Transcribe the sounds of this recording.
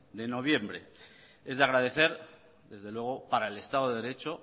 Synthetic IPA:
d̪e̞no̞β̞je̞mbɾe̞̰ | e̞zðeaɣɾað̞e̞θe̞ɾ | ðe̞zðelwe̞ɣ̞o̞paɾaele̞st̪að̞oðeɾe̞t͡ʃo

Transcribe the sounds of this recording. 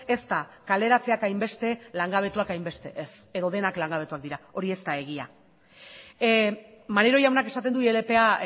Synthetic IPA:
e̞st̪akale̞ɾat͡se̞akajmbe̞st̪e̞laŋɡaβ̞e̞t̪uakajmbe̞st̪e̞ʔes | e̞ðo̞ðe̞naklaŋɡaβ̞e̞t̪uak̚d̪iɾao̞ɾie̞st̪ae̞ɣ̞ia̰ | maneɾo̞jawnakesat̪end̪uielepe̞a

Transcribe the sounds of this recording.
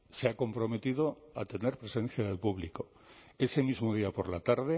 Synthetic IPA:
seakõ̞mpɾo̞me̞t̪iðoat̪e̞ne̞ɾpɾe̞sẽ̞n̟θjaðe̞lpuβliko | e̞se̞mizmoð̞iapo̞ɾlat̪aɾðe

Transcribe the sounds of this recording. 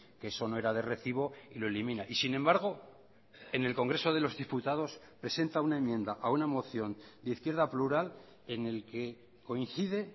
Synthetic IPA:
keeso̞no̞e̞ɾaðe̞re̞θiβ̞o̞iloelimĩnaʔisinẽ̞mbaɾɣ̞o̞ | e̞ne̞lko̞ŋɡɾe̞so̞ð̞elo̞zðiput̪að̞o̞s | pɾe̞se̞nt̪aunae̞mjẽ̞nd̪aʔaunamo̞θjo̞nd̪eiθkjeɾðapluɾal | e̞ne̞lke̞ | ko̞in̟θiðe̞

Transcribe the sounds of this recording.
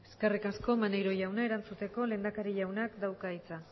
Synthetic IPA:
eske̞rikasko̞manejɾo̞jawnae̞ɾant͡sut̪e̞ko̞le̞ːnd̪akaɾiʝawnakd̪awkait͡sa

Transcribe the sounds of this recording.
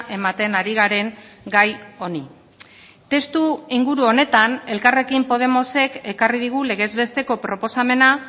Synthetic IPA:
ʔe̞mat̪e̞naɾiɣaɾe̞ŋɡajo̞ni | t̪e̞st̪uiŋɡuɾuo̞ne̞t̪ane̞lkare̞kimpo̞ð̞e̞mo̞se̞ke̞karið̞iɣ̞ule̞ɣ̞e̞zβe̞st̪e̞ko̞pɾo̞po̞same̞na

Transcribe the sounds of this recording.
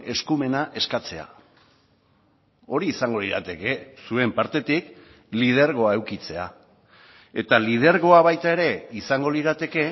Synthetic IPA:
e̞skume̞naʔe̞skat͡se̞a̰ | o̞ɾiːsaŋɡo̞liɾa̰t̪e̞ke̞sue̞mpaɾt̪e̞t̪ik | lið̞e̞ɾɣ̞o̞ae̞wkit͡se̞a̰ | e̞t̪alið̞e̞ɾɣo̞aβajt̪ae̞ɾe̞isaŋɡo̞liɾat̪e̞ke̞

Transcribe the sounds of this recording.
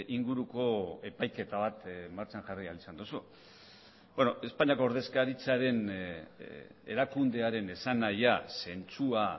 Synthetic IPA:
ʔiŋɡuɾuko̞e̞pajke̞t̪aβat̪maɾt͡ʃanʝarialisand̪osu | bono̞e̞spaɲiako̞oɾðe̞skaɾit͡saɾe̞n | e̞̰ɾakund̪e̞aɾe̞ne̞sanajase̞nt͡sua

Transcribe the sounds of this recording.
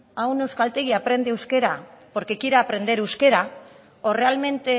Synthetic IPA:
awnewskalt̪e̞ɣiapɾe̞nd̪eewske̞ɾapo̞ɾke̞kiɾaːpɾe̞nd̪e̞ɾewske̞ɾa | ore̞alme̞nt̪e̞

